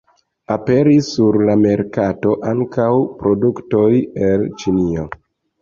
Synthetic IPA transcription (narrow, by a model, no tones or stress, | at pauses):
ape̞ɾisːuɾlame̞ɾkato̞ʔaŋkawpɾo̞duktojelt͡ʃinio̞